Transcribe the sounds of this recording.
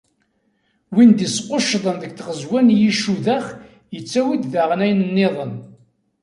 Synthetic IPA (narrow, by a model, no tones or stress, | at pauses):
wind̪isqoʃðˤənðəɡ̚θʁəzwænjiʃuðæχ | jət͡sːæwid̪ðaʁənæjnənːeðˤən